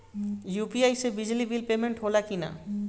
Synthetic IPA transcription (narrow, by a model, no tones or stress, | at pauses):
jupiajsebid͡ʑlibilpemeɳʈɦolakina̰